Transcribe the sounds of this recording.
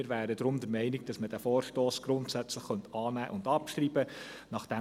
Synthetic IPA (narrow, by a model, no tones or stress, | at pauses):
ɪːɾʋæːɾəd̪ɾʊmd̪əɾmɛɪnɪɡ̚d̥ɑsməd̥æfɔːɾʃtoːsɡ̥ɾʊnt̪sæt͡sləχːœnt̪ɑːnæːʔʊndɑpʃtriːbənɑχd̥æ